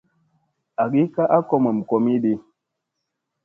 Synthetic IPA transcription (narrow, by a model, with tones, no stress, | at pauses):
a˨ɡi˦ka˦ʔa˦kɔ˦ma˨m̩˨kɔ˨mi˦ɗi˦